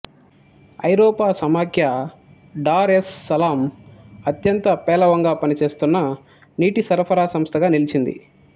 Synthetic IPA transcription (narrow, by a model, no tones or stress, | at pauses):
ɐ̰jɾɔːpaːsɐmaːkʰja | ɖaːɾesːɐlaːmɐt̪jɐnt̪ɐpɛːlɐʋɐŋɡaːpɐnit͡ʃe̞ːst̪unːɐ | niːʈisɐɾpʰɐɾaːsɐmst̪ʰɐɡaːnilit͡ʃind̪ḭ